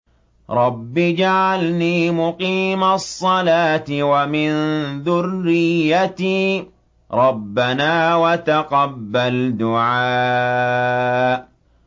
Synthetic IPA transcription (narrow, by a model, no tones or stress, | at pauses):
ɾˤɑbːɪd͡ʒaʕalniːmʊqiːmasˤːɑlaːt̪ɪwamɪnðʊrːɪjːat̪iː | ɾˤɑbːanaːwat̪aqɑbːald̪ʊʕaː